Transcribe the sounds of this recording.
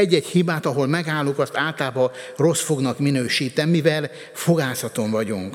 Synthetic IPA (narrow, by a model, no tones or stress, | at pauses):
ɛɟːɛchibaːt̪ɒɦo̞lmɛɡaːlːukɒst̪aːlt̪aːbɒ | ro̞sfo̞ɡnɒkminøːʃiːt̪ɛnmivɛl | fo̞ɡaːsɒt̪o̞ɱvɒɟuŋk